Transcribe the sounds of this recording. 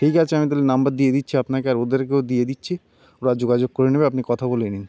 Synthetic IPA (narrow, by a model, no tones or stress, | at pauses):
ʈʰikat͡ɕʰeamit̪̬alenambaɾd̪ijed̪itːɕʰiapnakeaɾod̪eɾk̬ewd̪ijed̪itːɕʰi | oɾad͡ʑoɡad͡ʑoɡ̚koɾenebeapnikɔt̪ʰabolenin